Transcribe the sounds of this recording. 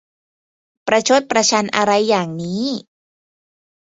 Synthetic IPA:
pɾa˧t͡ɕʰo˦˥t̪̚pɾa˧t͡ɕʰa˧nʔa̰˧ɾa˧jːaː˨˩ŋniː˦˥

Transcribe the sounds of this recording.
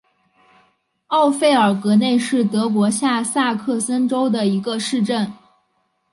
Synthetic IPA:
ɑ˥˧ʊfe˥˩ɪə˞˨˩kɤ˧˥ne˥˧ɪʂɻ̩˥˩t̪ɤ˧˥kwɔ˧˥ɕja˥˧sa˥˧kʰɤ˥˩sə˥nʈ͡ʂo˥ʊd̪ə˨i˧˥ɡə˧ʂɻ̩˥˧ʈ͡ʂə˥˩n

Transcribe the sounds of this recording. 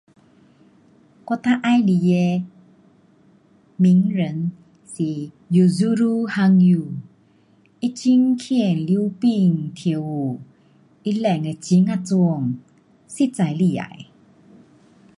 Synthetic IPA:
kɔ˧˨t̪a˦ʔa˧˦jli˨je˧ | mi˧˦ŋɾə˨˦n | si˨ | ju˨zu˦ɾu˧˦ha˧ŋju˧˨˩ | i˦t͡ɕi˦ŋkʰi˧ə˨nli˧˦pi˧˨ŋt̪ʰi˧˨ə˨wu˨ | i˦lɛ˧˨ŋɛ˨t͡ɕi˧˦ŋa˧t͡su˧ə˨ŋ | si˦˨t͡sa˨jli˧˨a̰˨j

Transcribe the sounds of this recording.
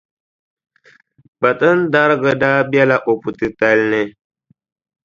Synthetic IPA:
ba˨tɨ˦n̩˦da˦ɾɨ˦ɡɨ˦daː˦bjɛ˦la˦ʔo˨pu˨tɨ˨ta˦lnɨ˦

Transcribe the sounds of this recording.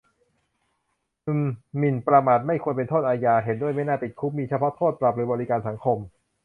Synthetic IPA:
ʔɯ˧˩mːi˨˩npɾa˧maː˨˩t̪̚ma˥˩jkʰu˧ənp̬e˧nt̪ʰoː˥˩t̪̚aː˧jaː˧ɦe˩˦ndu˥˩əjma˥˩jnaː˥˩pi˨˩t̪̚kʰu˦˥p̚miː˧t͡ɕʰa˧pʰɔ˦˥t̪ʰoː˥˩t̪̚pɾa˨˩p̚ɾɯː˩˦bɔː˧ɾi˦kaː˧nsa˩˦ŋkʰo˧m

